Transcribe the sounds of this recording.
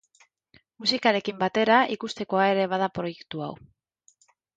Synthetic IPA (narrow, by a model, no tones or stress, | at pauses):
musikaɾe̞kimbat̪e̞ɾaʔikust̪e̞ko̞ae̞ɾe̞β̞að̞apɾo̞je̞kt̪ua̰w